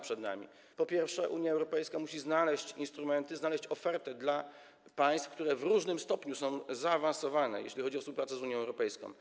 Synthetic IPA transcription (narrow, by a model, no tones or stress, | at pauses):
pʂɛd̪na̰mʲḭ | pɔpʲjɛɾfʂɛʔuɲjaɛwɾɔpɛjskamuɕiznalɛɕt͡ɕinst̪ɾumɛnt̪ɘznalɛɕt͡ɕɔfɛɾt̪ɛd̪la | paj̃st̪fkt̪uɾɛvɾuʐnɘmst̪ɔpɲusɔ̃w̃zaːvãnsɔvanɛ̰jɛ̰ɕlʲixɔd͡ʑiɔfspuwpɾat̪sɛzuɲjɔ̃ɛwɾɔpɛjskɔ̰̃w̃